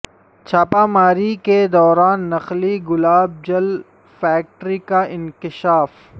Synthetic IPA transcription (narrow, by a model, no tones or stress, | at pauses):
t͡ʃʰaːpamaːɾiked̪ɔːɾaːnːɐxliɡʊlaːb̚d͡ʒɐl | fɛːk̚ʈɾikaʔɪ̃nkɪʃaːf